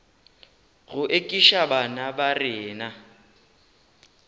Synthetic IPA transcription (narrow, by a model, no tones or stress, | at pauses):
ɣʊʔekʼiʃabanabarɪːna